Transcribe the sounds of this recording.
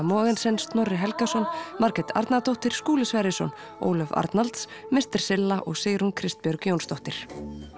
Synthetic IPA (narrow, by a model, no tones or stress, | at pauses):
mɔːɣɪnsɪnst̪nɔrːɪɦɛlkasɔnmaɾkɛt̪ʰa̰ɾt̪nat̪owht̪ɪɾ̥skuːlɪsvɛɾɪsɔ̰n | o̰ːwlœva̰ɾt̪nalt̪s | mɪst̪ɪɾ̥sɪlːaʔɔɣseːɾunkʰɾɪst̪̚pjœɾkjoːwnst̪ɔht̪ɪɾ̥